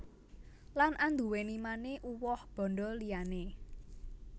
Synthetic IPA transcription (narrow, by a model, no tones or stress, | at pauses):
lanʔand̪ṳwenimaneʔuwɔhb̥ɔ̤nɖɔlijane